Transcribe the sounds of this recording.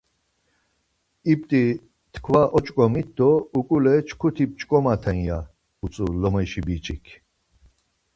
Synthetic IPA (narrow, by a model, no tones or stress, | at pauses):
ip̚t̪ʼi | t̪ʰkʰvaʔɔt͡ʃʼkʼɔmit̪̚d̪ɔukʼulɛt͡ʃʰkʰut̪ʰip̚t͡ʃʼkʼɔmat̪ʰɛnja | ut͡sʼulɔmɛjʃibit͡ʃʼikʰ